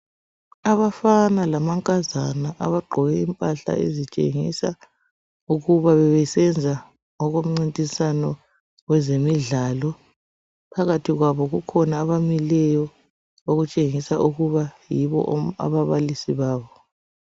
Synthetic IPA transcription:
aβafanalamaŋkʼazanaʔa̰βaɡ͡ǃʱɔɣɛimpʼaɬa̰ḛzit͡ʃʼḛŋḭsa | uɣuβaβɛβɛsɛnd͡zʱa | ŋɔɣom̩ŋ͡ǀintʼisanɔ | wɛzemiɮalɔ | pʰaɣatʰiɣwaβɔɣukʰɔnaːβamilɛjɔ | oɣut͡ʃʼeŋisaʔuɣuβajiβɔ̰ʔa̰βaβalisiβaːβɔ

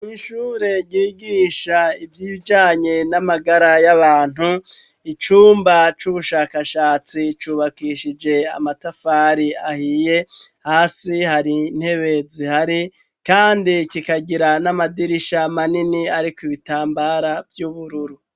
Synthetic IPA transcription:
miːʃuːɾe̞ɟiːɡiːʃaivjiːβid͡ʒaːɲe̞namaɡaɾajaβaːn̥hu | it͡ʃuːmbat͡ʃuβuʃaːkaʃaːt͡sit͡ʃuːβakiʃid͡ʒe̞a̰matafaːɾiahije̞ | haːsihaɾin̥he̞βe̞zihaɾi | kaːndikikaɟiɾanamadiɾiʃamaniniaɾikiβitaːmbaɾavjuβuɾuɾu

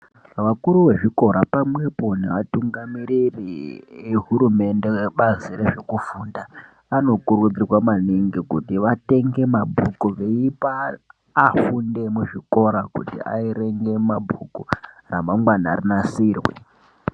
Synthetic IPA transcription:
ʋakuɾuʋe̞ʐiko̞ɾapamwe̞po̞nḛʋatuŋɡamiɾirḭeɦuɾume̞nde̞weɓazireʐekufunda | ano̞kuɾud͡zirwamaniŋɡikutiʋate̞ŋɡe̞mabʱukuʋeipaː | funde̞muʐiko̞ɾakutḭʔa̰iɾe̞ŋɡe̞mabʱuku | ramaŋɡwanarinasiːrwḛ

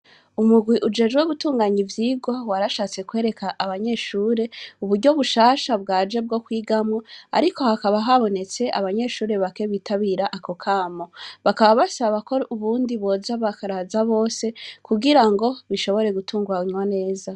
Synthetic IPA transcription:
umuɡwiʔud͡ʒe̞d͡ʒɡweβutuːŋɡaɲivjiːɡo̞waɾaʃaːt͡se̞kwe̞ːɾe̞kʰaʔːβaɲe̞ʃuːɾe̞uβuɾɟo̞βuʃaːʃabɡaːd͡ʒe̞b̚ɡo̞kwiːɡamŋoa̰ɾiko̞hakaβaɦaβo̞ne̞t͡se̞ʔa̰βaɲe̞ʃuːɾe̞βake̞βiːtʰaβiːɾaʔako̞kʰaːmoβakaβaβasaβako̞uβuːndiβo̞ːzaβakaɾazaβo̞ːse̞kuɡiɾaŋɡo̞βiʃo̞βo̞ɾe̞ɡutuːŋɡuaiɲwane̞ːza

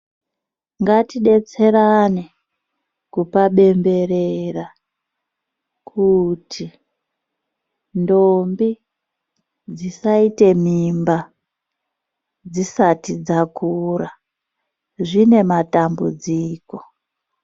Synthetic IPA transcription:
ŋɡatiɗe̞t͡se̞ɾane | kupaɓe̞mbe̞rera | kʰutʰi | ndombi | d͡zisaite̞mimba | d͡zisatid͡zakura | ʐine̞matambud͡ziːko̞̥

